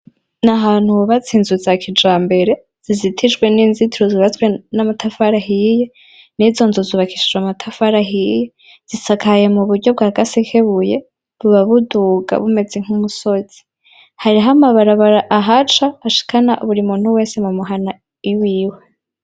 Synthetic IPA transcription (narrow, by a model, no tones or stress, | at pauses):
naɦaːnhuβat͡siːnzuzakʰid͡ʒaːmbe̞ɾe̞ | z̥izitʰid͡ʒɡwe̞niːnzitiɾoziβatwenamatʰafaɾaɦije̞ | nizo̞nzuziβakʰi̥ʃid͡ʒwamatʰafaɾaɦije | z̥isakʰaje̞muβuɾɟo̞b̚ɡaːɡasikʰeβuje | βuβaβuduɡa̰βume̞d͡ze̞ŋ̥umuso̞z̥i̥ | haɾiɦamaβaɾaβaɾaʔaɦat͡ʃaːʃi̥kʰanaʔṵβuɾimuːn̥huwe̞ːse̞mumuɦana | iwiːwe̞